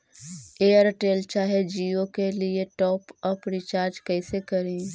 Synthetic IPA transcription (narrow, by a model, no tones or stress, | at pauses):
eːəɾʈeːlt͡ʃaːɦed͡ʒiːokelieʈɔːpɔpɾit͡ʃaːɾd͡ʒkɛɪsekɐɾẽ